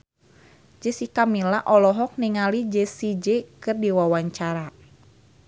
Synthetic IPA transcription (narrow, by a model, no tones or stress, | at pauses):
d͡ʒɛsikamilaʔɔlɔɦɔk̚niŋalid͡ʒesid͡ʒekɨrdiwawaɲt͡ʃaɾa